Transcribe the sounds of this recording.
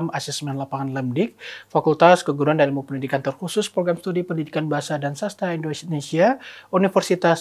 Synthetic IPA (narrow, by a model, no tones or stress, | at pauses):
masismɛnlapaŋanləmdɪk̚fakult̪askəɡuɾuandalimupəndidikant̪ərhusʊspɾoɡɾamst̪udipəndidikanbaɦasadansast̪aindonesiaunifərsit̪as